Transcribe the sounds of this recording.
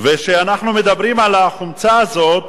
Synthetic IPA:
veʃeanaχnume̞d̪abʁimalaχumt͡saːzo̞t̪

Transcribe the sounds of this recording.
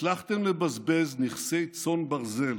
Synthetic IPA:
laχt̪emlebazbezniχsejt͡so̞nbaʁze̞l

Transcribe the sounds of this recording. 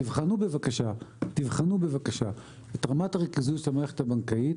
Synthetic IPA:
ivχanube̞vakaʃat̪ivχanubevakaʃa | etʁamataʁekizuʃlamaʁeχetabaŋkait

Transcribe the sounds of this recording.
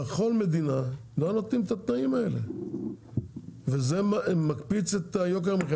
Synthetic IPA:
eχo̞lme̞d̪inalonot̪imt̪at̪naimae̞lḛ | vezemamːakpit͡set̪ajo̞k̬eʁmeχ

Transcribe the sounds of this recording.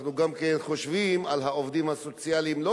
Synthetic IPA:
nuɡamkenχo̞ʃvimalɦaovd̪imhaso̞t͡sjalimlo

